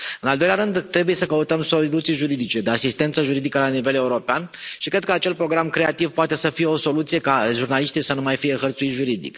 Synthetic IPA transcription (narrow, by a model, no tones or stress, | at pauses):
ɨnald̪o̞jlʲaɾɨnd̪t̪ːɾe̞bujesəkəut̪əmsolilut̪sijʒuɾid̪it͡ʃe̞d̪easist̪e̞nt̪səʒuɾid̪ikəlanive̞le̞uɾo̞peanʃikɾed̪kəat͡ʃe̞lpɾo̞ɡɾamkɾe̞at̪ivpoat̪e̞səfije̞o̞so̞lut̪sije̞kaʒurnaliʃt̪isənumajfije̞xərt̪suit̪ʒuɾid̪ḭk